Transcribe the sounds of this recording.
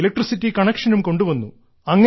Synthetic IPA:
elɐk̚ʈrisitːikɐɳekʂɐnumko̞ɳɖuʋɐnːu | ɐŋːɐ

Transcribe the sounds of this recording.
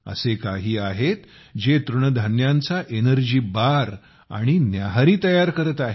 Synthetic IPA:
ə̰sekaɦiːaɦet̪ | d͡ʑet̪ɾuɳəd̪ʱanjant͡saʔenəɾd͡ʑiːbaɾ | a̰ɽ̃injaɦaɾiːt̪əjaɾkəɾət̪aɦe

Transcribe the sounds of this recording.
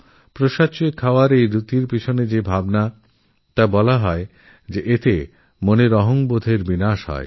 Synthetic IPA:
pɾoʃat͡ɕoekʰaoaɾejɾut̪iɾpit͡ɕʰoned͡ʑebʱabna | t̪abɔlaɦɔe | d͡ʑeʔet̪e | moneɾɔɦoŋbod̪ʱeɾbinaʃɦɔ̰e

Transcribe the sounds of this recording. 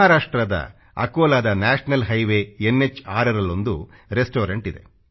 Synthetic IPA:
aːɾaːʂʈɾɐd̪ɐ̰ | ɐ̰koːlaːd̪ɐnaːʂɐnɐlɦɐjʋeenːet͡ʃːaːɾɐɾɐlːond̪uɾesʈoːɾɐɳʈid̪e̞̰

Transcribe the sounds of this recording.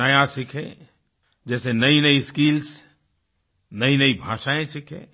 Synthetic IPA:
əjasɪkʰḛ̃ | d͡ʒɛːsenəinəiskiːls | nəinəibʱãːʃaːẽsɪkʰḛ̃

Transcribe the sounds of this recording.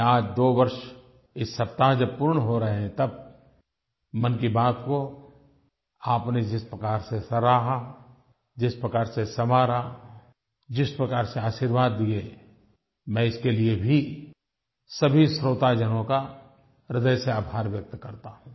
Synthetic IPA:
aːd͡ʒd̪oːʋɐɾʃ | ɪsːɐp̚t̪aɦd͡ʒɐb̚pʊɾɳɦoɾɐɦeɦɛ̃t̪ɐb̚ | mɐnkibaːt̪ko | aːpned͡ʒɪspɾəkaːɾsesɐɾaːɦa | d͡ʒɪspɾəkaːɾsesɐmaːɾa | d͡ʒɪspɾəkaːɾseaːʃiːɾʋaːd̪ːie | mɛ̃ɪskeliebʱi | sɐbʱisɾoːt̪ad͡ʒənõka | ɾɪd̪əjseaːbʱaːɾʋjɐk̚t̪kɐɾt̪aɦũː

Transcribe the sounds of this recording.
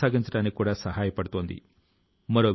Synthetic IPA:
aːɡiɲt͡ʃɐʈaːnːikikuːɽaːsɐɦaːjɐpɐɽut̪oːnd̪ḭ | mɐɾoːʋ

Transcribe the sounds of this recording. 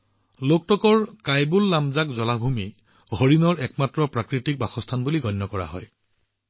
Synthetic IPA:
lok̚tɔkɔɹkajbulːamzakzɔlabʱumi | ɦoɹinɔɹɛkmatɹɔpɹakɹitik̚baxɔstʰanbuliɡʱɔnːjɔkɔɹa̰ɦɔ̰j

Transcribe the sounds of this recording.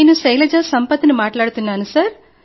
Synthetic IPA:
eːnusɐjlɐd͡ʒaːsɐmpɐt̪ːinimaːʈlaːɽut̪unːaːnusaɾ

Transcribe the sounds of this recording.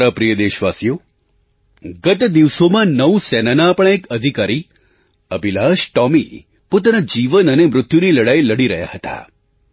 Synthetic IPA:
ɾapɾijəd̪eʃʋasjo | ɡət̪d̪iʋsomãnəusɛnanapəɳekəd̪ʱikaɾi | əbilaʃʈɔmi | pot̪̬anad͡ʒiʋənənemɾʊt̪juniləɽajləɽiɾəɦja̰hət̪a̰

